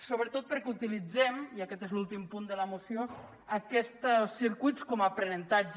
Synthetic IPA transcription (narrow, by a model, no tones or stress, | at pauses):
soβɾət̪ot̪̚pəɾkɛut̪ilid͡zɛmiəkɛt̪ezlulˠt̪impund̪ələmusio | əkɛst̪sːiɾkujtt͡skɔmapɾənənt̪ad͡ʒ